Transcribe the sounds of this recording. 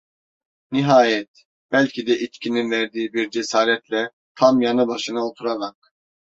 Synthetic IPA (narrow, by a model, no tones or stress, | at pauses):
niɦaːjɛt̪̚ | b̥ælʲcʰid̪ɛʔit͡ʃcʰininvæɾd̪iːibiɾd͡ʒesaːɾɛt̪lʲɛ | t̪ʰamjanɯbaʃɯnɯot̪ʰuɾaɾak̚